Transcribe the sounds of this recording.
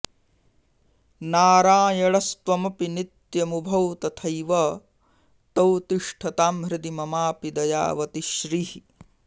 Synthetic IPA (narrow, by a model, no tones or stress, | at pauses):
naːɾaːjɐɭɐst̪ʋɐmɐpinit̪jɐmubʱɐwt̪ɐt̪ʰɐjʋɐ | t̪ɐwt̪iʂʈʰɐt̪aːmɾɪd̪imɐmaːpid̪ɐja̰ːʋɐt̪iʃɾiːhi